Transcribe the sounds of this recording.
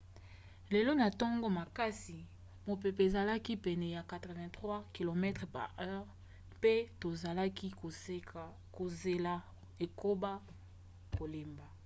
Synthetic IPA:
le˨lo˦na˨tɔ˦ŋɡo˦ma˨ka˦si˨ | mo˨pe˨pe˨e˨za˨la˦ki˦pɛ˨nɛ˨ja˨ka˨tʁɛ˨vɛ̃˨tχwa˦ki˨lo˨mɛ˦tχpa̰˨ɛ˦ʁ | pe˦to˨za˨la˦ki˦o˨˦˨ | ko˨ze˨la˨ | e˨ko˦ba˦ | ko˨le˨mba˨

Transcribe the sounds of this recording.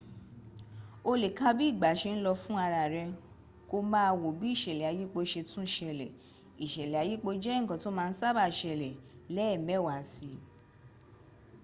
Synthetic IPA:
o˧le˨ka˦bi˦i˦˨ɡ͡ba˨˦ʃe˧n̩˦lɔ˧fũ˦a˧ɾa˧˨ɾɛ˧ | ko˧mã˦˧wo˨bi˨˦i˦˨ʃɛ˨lɛ˨a˨ji˦k͡po˧ʃe˧tũ˦ʃɛ˧lɛ˨ | i˨ʃɛ˨lɛ˨a˨˧ji˦k͡po˧d͡ʒɛ˦˨kɔ̃˨˦to˦mãː˧n̩˦sa˦ba˧˨ʃɛ˧lɛ˨lɛ˦ɛ˦˨mɛ˨˦˨wa˨si˧

